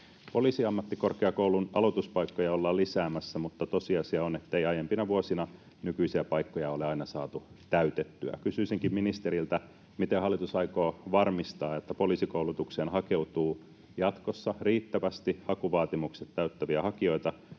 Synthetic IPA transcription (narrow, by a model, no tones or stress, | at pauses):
po̞liːsiɑmːɑt̪ːikorkeɑkoulunʔɑlot̪uspɑikːojɑolːɑːlisæːmæsːæmut̪ːɑt̪osiɑsiɑonet̪ːeiɑjempinɑʋuosinɑ | nykyisiæpɑikːojɑoleɑinɑsɑːt̪ut̪æyt̪et̪ːyæ̰kysyːsiŋkimminist̪eɾilt̪æ | mit̪ehɑlːˑit̪usɑikoːʋɑrmist̪ɑːot̪ːæpoliːsikouwlut̪ukseːnhɑkeut̪uː | jɑt̪kosːɑriːt̪ːæʋæst̪ihɑkuʋɑːt̪imukset̪t̪æyt̪ːæʋiæhɑkio̞it̪ɑ